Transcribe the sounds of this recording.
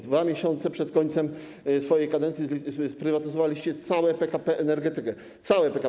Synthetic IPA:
d̪vamʲjeɕɔ̃nt̪sɛpʂɛt̪kɔɲʲt̪sɛm | sfɔjejkad̪ɛnsʲjizspɾɘvat̪ɘzɔvalʲiɕt͡ɕɛt̪sawɛpɛkapɛʔɛnɛɾɡɛt̪ɘkɛ | t̪sawɛpɛka

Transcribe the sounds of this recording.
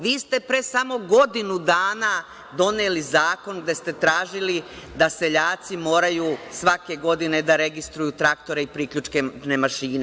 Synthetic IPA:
ʋiːst̪e̞pɾesamo̞ɡo̞d̪inud̪aːna | d̪o̞neːlizaːko̞nɡd̪e̞st̪e̞t̪ɾaːʒilid̪ase̞ʎaːt̪simo̞ːɾajusʋake̞ɡo̞d̪ine̞d̪aɾe̞ɡist̪ɾujut̪ɾakt̪o̞ɾe̞ipɾikʎut͡ʃke̞nemaʃiːne

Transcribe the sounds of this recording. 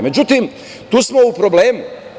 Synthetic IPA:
me̞d͡ʑut̪im | t̪uːsmo̞upɾobleːmu

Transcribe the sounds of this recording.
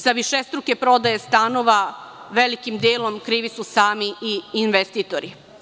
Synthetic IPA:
saʋiʃest̪ɾuke̞pɾo̞d̪ajest̪ano̞ʋaʋe̞likimd̪eːlo̞mkɾiːʋisusaːmiiːnʋest̪it̪oɾi

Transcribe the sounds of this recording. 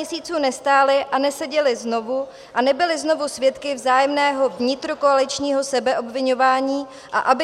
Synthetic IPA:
ɛsiːt͡suːnɛst̪aːlɪʔanɛsɛɟɛlɪzno̞vu | ʔanɛbɪlɪzno̞vusvjɛt̪kɪvzaːjɛmnɛːɦo̞vɲɪt̪ɾokoalɪt͡ʃɲiːɦo̞sɛbɛʔo̞bvɪɲo̞vaːɲiː | ʔa̰ʔabɪ

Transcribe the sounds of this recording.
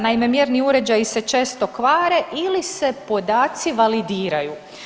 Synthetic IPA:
naime̞mjeɾniuɾe̞d͡ʑajise̞t͡ʃeːst̪o̞kʋaːɾe̞ʔilise̞po̞d̪aːt̪siʋalid̪iːɾaju

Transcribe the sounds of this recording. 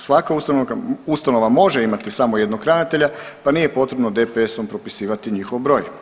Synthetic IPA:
sʋakaust̪anoust̪ano̞ʋamo̞ʒeimat̪isamo̞jed̪noɡkɾanit̪e̞ʎa | panije̞po̞t̪ɾe̞bnod̪epeeso̞mpɾo̞pisiːʋat̪iɲixo̞ʋbɾo̞ːj

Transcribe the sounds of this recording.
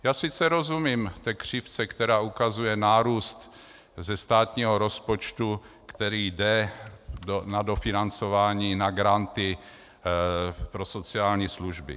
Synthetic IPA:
jaːsɪt͡sɛɾo̞zumiːmt̪ɛːkr̝̥ɪft͡sɛkt̪ɛɾaːʔukazujɛnaːɾuːst̪ | zɛst̪aːt̪ɲiːɦoɾo̞spot͡ʃt̪u | kt̪ɛɾiːdɛ | onadofɪnant͡so̞vaːɲiːnaɡɾant̪ɪ | pɾo̞so̞t͡sɪaːlɲiːsluʒbɪ̰

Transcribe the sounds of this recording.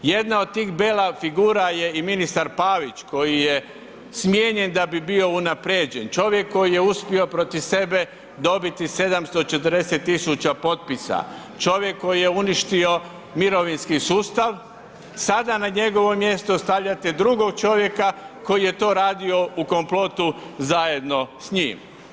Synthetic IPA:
je̞d̪naod̪̚t̪iːxbeːlafiɡuːɾaje̞iminist̪aɾpaːʋit͡ʃko̞jije̞ | smje̞ɲe̞nd̪abibio̞unapɾed͡ʑent͡ʃo̞ʋje̞kːo̞jije̞uspio̞pɾo̞t̪iʋse̞be̞ | d̪o̞bit̪ise̞d̪amst̪o̞t͡ʃet̪ərɾd̪eset̪ːisut͡ɕapo̞t̪̚pisa̰ | t͡ʃo̞ʋje̞kːo̞jijeuniʃt̪io̞ | miɾo̞ʋinskisuːst̪aʋ | sad̪anaɲe̞ɡo̞ʋo̞mje̞st̪ost̪aʋʎat̪ed̪ɾuɡo̞ɡt͡ʃo̞ʋje̞kako̞jijet̪o̞ːɾaːd̪io̞uko̞mplˠo̞t̪uzaje̞d̪no̞sɲiːm

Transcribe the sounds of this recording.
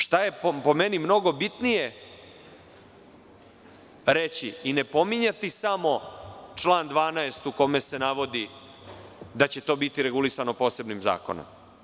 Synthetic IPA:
ʂt̪aje̞ppo̞menimno̞ɡo̞bit̪nije̞ | ɾet͡ɕiine̞po̞miɲat̪isamo̞t͡ʂlˠaːnd̪ʋaːnaest̪uko̞me̞se̞naʋo̞d̪i | d̪at͡ɕe̞t̪o̞ːbit̪iɾe̞ɡulisanopoːse̞bnimza̰ːko̞̰no̰m

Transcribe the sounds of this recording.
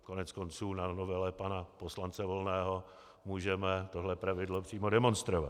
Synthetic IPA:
ko̞nɛt͡sko̞nt͡suːnanovɛlɛpanapo̞slant͡sɛvo̞lnɛːɦo̞ | muːʒɛmɛt̪o̞ɦlɛpɾavɪdlo̞pr̝̥iːmo̞dɛmo̞nst̪ɾova̰t̪

